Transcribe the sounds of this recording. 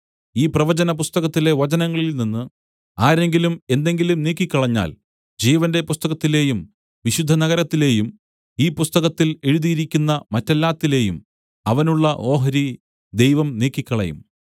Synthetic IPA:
iːprɐʋɐd͡ʑɐnɐp̬ust̪ɐɣɐt̪ːile̞ʋɐd͡ʑɐnɐŋːɐɭilninːɨ | aːɾe̞ŋɡilume̞nd̪e̞ŋɡilumniːkːikʲːɐɭɐɲːa̰ːl | d͡ʑiːʋɐnde̞pust̪ɐɣɐt̪ːile̞ːjum | ʋiɕud̪ʱːɐnɐɣɐɾɐt̪ːile̞ːjum | iːpust̪ɐɣɐt̪ːile̞ɻuðijiɾikʲːunːɐmɐtːɐlːaːt̪ːile̞ːjum | ɐʋɐnuɭːɐʔo̞ːɦɐɾi | d̪e̞jʋɐmniːkːikʲːɐɭɐ̰jṵm

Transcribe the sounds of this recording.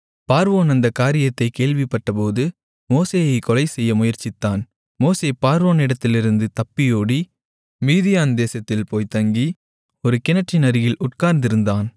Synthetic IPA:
paːɾʋoːnɐnd̪ɐkaːɾɪjɐt̪ːɐɪkeːɭʋɪpːɐʈːɐpoːðɯ | moːseːjɐɪkɔlɐɪsɛjːɐmʊjɐɾt͡ʃɪt̪ːaːn | moːseːpaːɾʋoːnɪɽɐt̪ːɪlɪɾɯnd̪ɯt̪ɐpːɪjoːɽi | miːðɪjaːnd̪eːsɐt̪ːɪlpoːjt̪ɐŋɡi | ɔɾɯkɪnɐʈːɪnɐɾɪjɪlʔʊʈ̚kaːɾnd̪ɪɾɯnd̪aːn

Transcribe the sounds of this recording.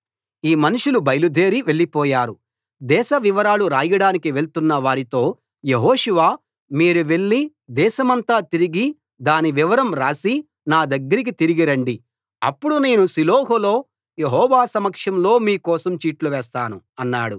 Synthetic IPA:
iːmɐnuʂulubɐjlud̪ʱe̞ːɾiʋe̞ɭːipɔːjaːɾu | d̪ɛːʃɐʋiʋɐɾaːluɾaːjɐɽaːnikiʋe̞ɭt̪unːɐʋaːɾit̪o̞ː | je̞ɦoːʂuʋaː | miːɾuʋe̞ɭːi | d̪ɛːʃɐmɐnt̪aːt̪iɾiɡi | d̪aːniʋiʋɐɾɐmɾaːsi | naːd̪ɐɡːɐɾik̬it̪iɾiɡiɾɐɳɖi | ɐ̰pːuɽune̞ːnusiloːɦolo̞ː | jeɦɔːʋaːsɐmɐkʂɐmlo̞ːmiːkɔːsɐmt͡ʃiːʈluʋɛːs̬t̪aːnu | ɐnːaːɽu

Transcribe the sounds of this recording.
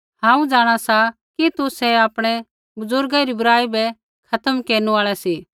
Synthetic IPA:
hãːũd͡ʒaːɽ̃asa | kit̪ʊsɛaːpɽ̃ɛ | bʊzʊɾɡaɾibʊɾaːibɛ | kʰɐt̪əmkeːɾnuaːɭɛsiː

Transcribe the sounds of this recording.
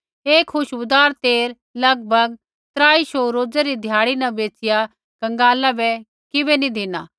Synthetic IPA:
eːkʰːʊʃbʊd̪aːɾt̪eːɾ | lɐɡ̚bʱɐɡ | t̪ɾaːiʃoːɾoːd͡zɛɾid̪ʱjaːɽ̃inɐ̃beːt͡sɪja | kɐ̃ŋɡaːlabɛ | kɪbɛnĩd̪ʱɪnaː

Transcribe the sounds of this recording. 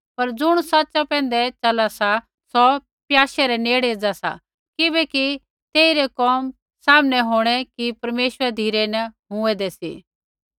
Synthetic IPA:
pɐɾd͡zʊɽ̃sɐtːt͡ʃapɛ̃ːn̆d̪ɛt͡ʃɐlasa | sɔ | pjaːʃɛɾɛneːɽeːd͡zasa̰ | kɪbɛki | t̪eːiɾɛkɔːm | saːmnɛɦoːɽ̃ɛkipɐɾmeːʃwəɾɛd̪ʱiːɾɛnɐɦʊ̃ɛd̪ɛsḭː

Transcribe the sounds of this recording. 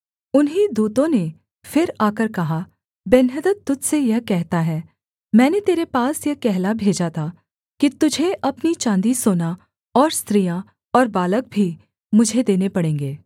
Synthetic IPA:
ʊnɦid̪uːt̪õne | fɪɾaːkəɾkɐɦa | bɛnɦəd̪ət̪t̪ːʊd͡ʒsejɐɦkɛɦt̪aɦɛː | mɛ̃ːnet̪eːɾepaːsjɐɦkɛɦlabʱeːd͡ʒat̪ʰaː | kit̪ʊd͡ʒʱeʔɐpnit͡ʃãːnd̪isoːna | ɔːɾst̪ɾijã | ɔːɾbaːlək̚bʱi | mʊd͡ʒʱed̪eːnepɐɽẽːŋ̆ɡeː

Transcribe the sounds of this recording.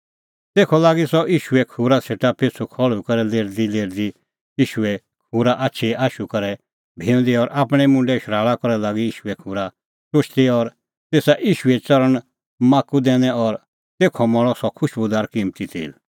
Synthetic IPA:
t̪eːkʰɔlaːɡisɔʔiːʃuɛkʰuːɾaseːʈapʰet͡sʰukʰɔɭukɐɾɛleːɾd̪ileːɾd̪i | iːʃuɛ | kʰuːɾaʔaːtːʃʰiaːʃukɐɾɛ | bʱeːʊ̃nd̪iɔɾʔaːpɽ̃ɛmʊ̃ɳɖɛʃɾaːɭakɔɾɛlaːɡiiːʃuɛkʰuːɾa | sʊt͡ʃʰt̪iɔɾ | t̪eːsaʔiːʃuɛt͡sɐɾəɳ̃ | maːkud̪ɛːnɛ̃ɔɾ | t̪eːkʰɔmɔɭ̃ɔsɔkʰʊʃbʊd̪aːɾkiːmt̪it̪ʰḭːl

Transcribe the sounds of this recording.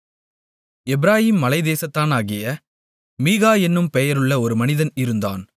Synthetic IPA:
ɛbɪɾaːjiːmːɐlɐɪðeːsɐt̪ːaːnaːɣɪjɐ | miːɣaːɛnːɯmpɛjɐɾɯɭːɐɔɾɯmɐnɪðɐnɪɾɯnd̪a̰ːn

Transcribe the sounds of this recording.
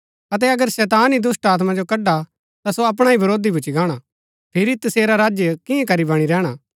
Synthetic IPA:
ɐt̪̬ɛɐɡəɾsɛːt̪aːnid̪ʊsʈaːt̪mad͡ʒokɐɖa | t̪asoɐp̬ɽ̃aːibɐɾoːd̪ibʊt͡ʃːiɡaːɽ̃a | pʰeɾit̪ɐseːɾaɾaːd͡ʒjəkɪ̃ẽkɐɾibɐɽ̃iɾɛːɽ̃aː

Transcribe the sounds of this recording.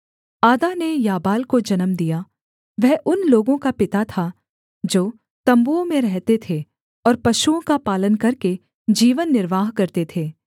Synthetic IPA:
aːd̪anejaːbaːlkod͡ʒɐnəmd̪ija | ʋɛɦʔʊnloːɡõkapɪt̪at̪ʰa | d͡ʒoː | t̪ɐ̃mbuõmẽɾɛɦt̪et̪ʰe | ɔːɾpɐʃuõkapaːlənkɐɾke | d͡ʒiːʋənːɪɾʋaːɦkɐɾt̪et̪ʰeː

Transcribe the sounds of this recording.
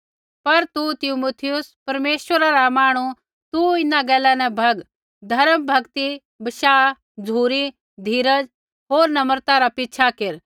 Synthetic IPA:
pɐɾt̪ut̪ɪmuːt̪ʰɪjʊspɐɾmeːswəɾaɾamaːɽ̃u | t̪uɪnaɡɛːlɛnɛ̃bʱɐɡ | d̪ʱɐɾəmbʱɐɡt̪i | bɐʃaː | d͡zʱuːɾi | d̪ʱiːɾəd͡ʒ | ɦoːɾnɐməɾt̪aɾapɪtːʃʰakɪɾ

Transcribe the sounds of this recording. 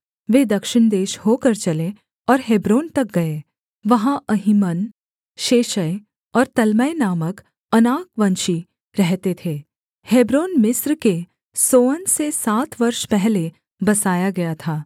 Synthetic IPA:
ʋeːd̪ɐkʃɪɳd̪eːʃhoːkɐɾt͡ʃɐle | ɔːɾɦebɾoːnt̪ɐk̚ɡɐe | ʋɐɦãɐɦɪmən | ʃeːʃəj | ɔːɾt̪ɐlməenaːmək | ɐnaːkʋɐ̃nʃi | ɾɛɦt̪et̪ʰeː | heːbɾoːnmɪsɾke | soːənsesaːt̪ʰʋɐɾʃpɛɦle | bɐsaːjaɡɐjat̪ʰaː

